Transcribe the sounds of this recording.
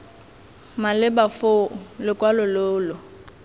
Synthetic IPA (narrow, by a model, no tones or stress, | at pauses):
malɪbafoʊlɪkʼwalʊloʊːlʊ